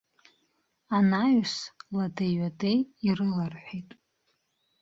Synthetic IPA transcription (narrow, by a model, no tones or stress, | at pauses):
anajsladaɥʷadejirɨlarħʷijtʼ